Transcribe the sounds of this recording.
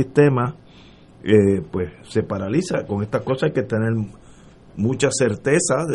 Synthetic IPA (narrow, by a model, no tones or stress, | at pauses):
ist̪e̞ma | epwesse̞paɾalisako̞ŋe̞st̪ahko̞saajket̪e̞neɾ | mũt͡ʃase̞ɾt̪e̞sað